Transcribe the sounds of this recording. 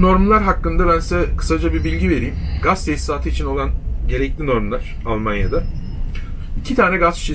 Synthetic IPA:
no̞ɾmlˠaɾɦakːɯnd̪abænsɛkʰɯ̥sad͡ʒabibilʲɟive̞ɾiːmɡast̪ʰɛsaːt̪ʰɯit͡ʃʰino̞lˠanɟe̞ɾɛclʲino̞ɾmlˠaɾ̥ | alˠmanja̰d̪a | icʰit̪ʰaːnɛɡasi̥ʃi

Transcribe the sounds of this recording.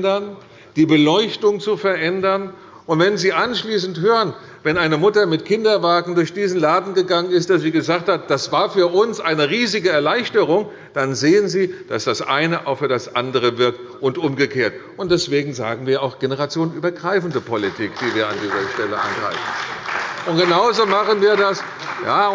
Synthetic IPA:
dɐn | d̥iːbəlɔʏçtʊŋt͡sufɛɐʔɛndɐn | ʔʊntv̥ɛnziːʔanʃliːsn̩thøːʁən | vɛnʔaɪnəmʊtɐmɪtkʰɪndɐvaːɡŋ̩dʊɐçd̥iːzn̩laːdn̩ɡəɡaŋənɪst̚d̥asz̥iːɡəzaːk̚that̚d̥asv̥aːɐfyːɐʔʊnsʔaɪnəʁiːzɪɡəɛɐlaɪçtəʁ̞ʊŋ | d̥anzeːənziːd̥asd̥asʔa̰ɪnəʔaʊxfyːɐdasʔandəʁ̞əvɪɐk̚t | ʔʊntʔʊmɡəkʰeːɐt | ʊntd̥ɛsv̥eːɡŋ̩za̰ːɡŋ̩viːɐaʊxɡ̥enəʁat͡sjoːnʔyːbɐɡʁaɪfn̩dəpʰɔlitʰiːkd̥iːviːɐa̰ndiːzɐʃtɛləʔa̰nɡʁa̰ɪfn̩ʔʊntɡ̥ənaʊzoːmaχənviːɐdas | jaː

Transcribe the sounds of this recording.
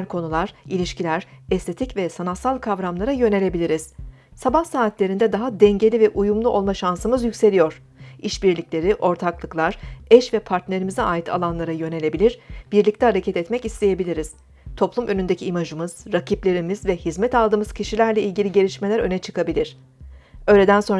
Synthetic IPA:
ɾkʰo̞nulˠaɾ̥ilʲiʃcilʲæɾ̥ɛst̪ʰe̞t̪ʰicvɛsanat̪salˠkʰavɾamlˠaɾajø̞ne̞lʲe̞bilʲiɾiz̥ | sabahsaːt̪lʲe̞ɾind̪ɛd̪aɦad̪ɛɲɟe̞lʲivɛʔujumlˠuʔo̞lˠmaʃansɯmɯzjycʲse̞lʲijo̞ɾ̥ | iʃbiɾlʲiclʲe̞ɾiʔo̞ɾt̪ʰaklˠɯklˠaɾ̥ɛʃvɛpʰaɾt̪ne̞ɾimizɛaːjit̪ʰa̰lˠanlˠaɾajø̞ne̞lʲe̞bilʲiɾb̥iɾlʲic̚t̪ʰɛhaɾecʰɛt̪ɛt̪mɛcist̪ʰe̞je̞bilʲiɾiz̥ | t̪ʰo̞plˠumʔø̞nynd̪e̞cʰiːmaʒɯmɯz̥ɾacʰiplʲe̞ɾimizvɛhizmɛt̪alˠd̪ɯːmɯz̥cʰiʃilʲæɾlʲɛilʲɟilʲiɟelʲiʃmelʲæɾø̞nɛt͡ʃʰɯ̥kabilʲiɾ̥ | øjlʲe̞d̪ænso̞n

